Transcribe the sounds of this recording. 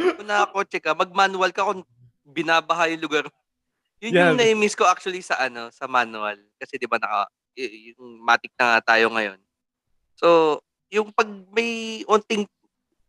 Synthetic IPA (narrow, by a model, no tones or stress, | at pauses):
ʊnakot͡ʃɛkɐmɐɡ̚manʊɐlkɐkoŋ | bɪnaːbɐɦajʊŋlʊɡaɾ | jʊnʊnɐʔɪmɪskoʔak̚t͡ʃʊɐlisɐʔɐno̞sɐmanʊɐ̰lkɐsɛd̪ɪbanɐkɐ̰ | ɛʔjʊŋmaːt̪ɪk̚nɐŋat̪aːjo̞ŋɐjo̞n | so̞ | jʊŋpɐɡ̚mɐjʔʊnt̪ɪŋ